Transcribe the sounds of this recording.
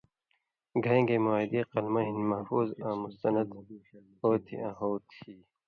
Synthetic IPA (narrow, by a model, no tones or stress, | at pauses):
ɡʱɐ̃ːŋɡeːmuaːid̪iːqɐlmɐɦinmɐfuːzãːmust̪ɐnɐd̪ | hoːt̪ʰḭʔãːɦoːt̪ʰiː